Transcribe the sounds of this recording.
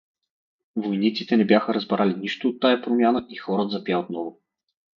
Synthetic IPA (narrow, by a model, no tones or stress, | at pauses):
vojnit̪si̥t̪ɛnɛbʲjaxəɾɐzbɾaliniʃt̪ʊːt̪ːajapɾomʲjanəʔixɔɾət̪zɐpjaot̪̚nɔvʊ